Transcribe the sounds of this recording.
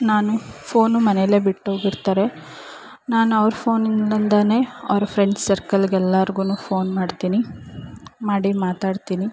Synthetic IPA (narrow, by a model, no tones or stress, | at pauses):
naːnupʰo̞ːnumɐnele̞ːbiʈːɦoːɡiɾt̪aːɾe̞ | naːnuɐʋɾupʰo̞ːninɐlɐnd̪ɐne̞ːɐ̰ʋɐɾupʰɾeɳɖsɐɾkɐlɡɛlːaːɾɡuːnuːpʰo̞ːnmaːɖt̪iːni | maːɽimaːt̪aːɽt̪iːni